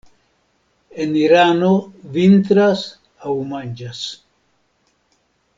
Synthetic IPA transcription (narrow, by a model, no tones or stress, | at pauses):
eniɾanovint̪ɾas | awmand͡ʒas